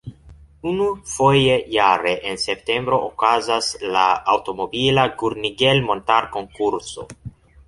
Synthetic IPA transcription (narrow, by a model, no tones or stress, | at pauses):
unufo̞je̞jaɾe̞ʔense̞pte̞mbɾo̞ʔokazaslaawto̞mo̞bilaɡuɾniɡe̞lmo̞ntaɾko̞ŋkuɾso̞̰